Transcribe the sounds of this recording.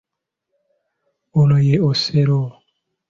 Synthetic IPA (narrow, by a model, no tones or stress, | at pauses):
olojeoseɾo